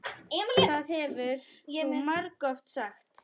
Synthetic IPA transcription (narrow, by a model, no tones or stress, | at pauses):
ɛːmɪaðhɛvʏɾ̥jɛmaɾkɔft̪saxt̪